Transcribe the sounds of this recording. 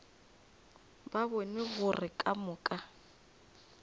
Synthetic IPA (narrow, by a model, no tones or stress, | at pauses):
babonɪɣʊrɪkʼamʊːkʼa